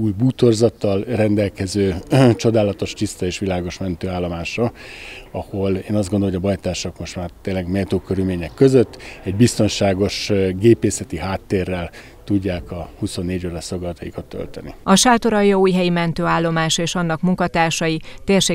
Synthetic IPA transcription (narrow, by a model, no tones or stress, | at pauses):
uːjbuːt̪orzɒt̪ːɒlrɛnd̪ɛlkɛzøːt͡ʃo̞d̪aːlɒt̪o̞ʃt̪ist̪ɒeːʃʋilaːɡo̞ʃmɛnt̪øːaːlːo̞maːʃɒ | ɒho̞leːnɒzd̪ɡond̪oojɒbɒjt̪aːʃokmo̞ʃt̪maːrt̪eːnlːɛɡmɛt̪oːkøɾylmeːɲɛkːø̞zøt̪ːɛɟ̚bist̪o̞nʃaːɡo̞ʃɡeːpeːsɛt̪iɦaːt̪ːeːrːɛl | t̪uɟːaːkɒhuso̞nːeːɟoːɾɛso̞ɡɒlt̪ɒjikɒt̪ːø̰lt̪ɛnḭɒʃaːt̪o̞ɾɒjːɒuːjɦɛjimɛnt̪øːaːlːo̞maːʃeːʃɒnːɒkmuŋkɒt̪aːrʃɒjit̪eːrʃeː